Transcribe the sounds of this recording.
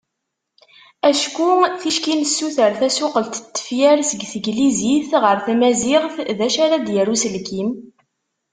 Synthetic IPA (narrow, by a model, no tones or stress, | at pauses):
æʃkuθiʃkinəsːuθəɾθæsuqəlt̪t̪ːə̥fjæɾsəɡθəɡliziθʁəɾθæmæziʁθðæʃaɾad̪jərusəlkim